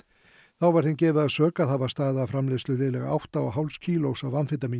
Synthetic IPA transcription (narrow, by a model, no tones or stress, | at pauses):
θawvaɾ̥θɪncɛːvʏðaðsœːkaθavast̪aːðaːfɾamlest̪lʏvɪːlɛɣa̰a̰wht̪aɔ̰ɦawlscʰiːloːwsavanfɪt̪amiː